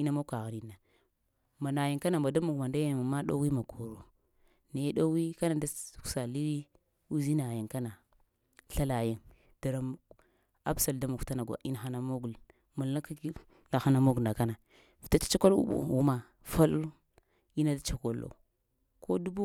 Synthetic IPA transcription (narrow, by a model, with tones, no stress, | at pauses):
i˦na˦mo˦ka˨ɣa˨ni˨nːa˨ | ma˨na˨ja˨ŋka˦na˨mba˨da˦mu˨ɡma˨nda˦ja˦ma˨ma˦ɗo̰˦wi˦ma˨ɡo˨ɾo˨ | ne˨˦ɗo˦wi˦ka˦na˨da˦ksa˨li˦ɾi˦ | u˦zi˦na˨ja˨ŋka˦na˨ | ɬa˦la˨je˦ŋ | d̥a˨ɾa˨ | a̰˦bsa˨lda˦mu˨kta˦na˨ɡʷa̰˨ʔi˦n˨xa˦na˨mo˦ɡu˨l | mu˨la˦ka˦ | na˨xa˦na˨mo˦ɡna˨ka˦na˨ | fta˦t͡ʃḁ˦t͡ʃa˦ko˦lṵ˦ɓṵ˨wu˦ma˨ | fa˦l | i˦na˦da˦t͡ʃa˦ko˦lːo̰˨ | ko˦du˦bu˦